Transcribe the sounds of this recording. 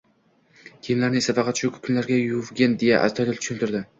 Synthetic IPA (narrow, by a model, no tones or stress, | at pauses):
kʲʰejmlaɾnɪŋsafɑqʰɑt̪ʃʊkʰʲʊ̥kʰʊnlaɾɡʲajʊvɡʲend̪eja̰ʔa̰st̪ʰɒt̪ɪlt̪ʊ̥ʃʊnt̪ʊɾd̪ɪ